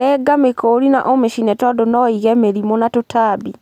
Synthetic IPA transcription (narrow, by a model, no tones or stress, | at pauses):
ɛːɡamekoːɾina̰ʔomeʃinɛtɔdonɔiɣɛmeɾimonatotʰaːbi